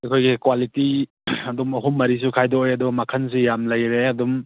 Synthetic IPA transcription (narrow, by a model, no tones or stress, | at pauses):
ɐkʰojɡikwaliti | ɐdumɐɦumːɐɾis̬ukʰajdɔːjɐdubɐmakʰans̬ijamlɐjɾeɐdum